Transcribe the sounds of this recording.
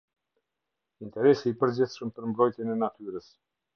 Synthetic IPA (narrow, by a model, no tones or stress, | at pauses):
int̪ɛɾɛsiːpəɾd͡ʑiθʃəmpəɾmbɾɔjt̪jɛnɛnat̪yɾəs